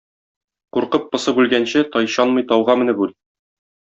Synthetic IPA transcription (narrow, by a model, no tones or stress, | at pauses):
quɾqɤp̚ːɤ̆sɤbʉlɡænɕɘt̪ɒjɕɑnmɤ̆jt̪ɒwʁɑmɘ̆nɘbʉl